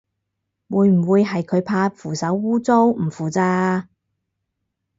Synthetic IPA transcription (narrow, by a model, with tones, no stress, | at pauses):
wuː˨˧jm̩˨˩wuː˨˧jɦɐ˨jkʰɵ˨˧ɥpʰaː˧fuː˨˩sɐ˨˥wːuː˥t͡so˥wm̩˨˩fuː˨˩t͡saː˧